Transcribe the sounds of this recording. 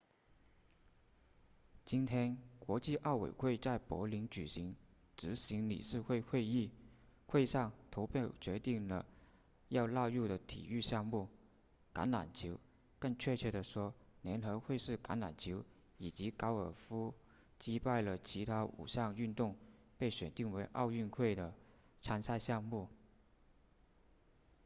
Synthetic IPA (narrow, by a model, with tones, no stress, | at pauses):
t͡ɕi˥nt̪ʰjɛ˥nkwɔ˧˥t͡ɕi˥˧ʔɑ˥˩ʊwḛ˨˩ɪxwe˥˧ɪt͡sa˥˩ɪpwɔ̰˧˥li˧˥ŋt͡ɕy˨˩ɕi˧˥ŋ | ʈ͡ʂɻ̩˧˥ɕi˧˥ŋlḭ˨˩ʂɻ̩˥˧xwe˥˧ɪxwe˥˧ɪi˥˩ | xwe˥˧ɪʂɑ˥˩ŋt̪ʰo˧˥ʊpʰje˥˩ʊt͡ɕɥɛ˧˥t̪i˥˩ŋlə˩ | jɑ˥˧ʊlɑ˥˧ʊɻu˥˩d̪ə˩t̪ʰḭ˨˩y˥˧ɕjɑ˥˧ŋmu˥˩ | ka̰˧˥nla̰˨˩nt͡ɕʰi˧˥ʊ | kə˥˧ŋt͡ɕʰɥɛ˥˧t͡ɕʰɛ˥˩d̪ə˨ʂwɔ˥njɛ˧˥nxɤ˧˥xwe˥˧ɪʂɻ̩˥˩ka̰˧˥nla̰˨˩nt͡ɕʰi˧˥ʊ | i˨˩t͡ɕi˧˥kɑ˧˥ʊə˞˨˩fu˥ | t͡ɕi˥pa˥˩ɪlə˩t͡ɕʰi˧˥t̪ʰa˥ṵ˨˩ɕjɑ˥˧ŋy˥˧nt̪ʊ˥˧ŋ | pe˥˩ɪɕɥɛ̰˨˩nt̪i˥˩ŋwe˧˥ɪʔɑ̰˥˧ʊy˥˧nxwe˥˩ɪd̪ə˩ | ʈ͡ʂʰa˧˥nsa˥˧ɪɕjɑ˥˧ŋmu˥˩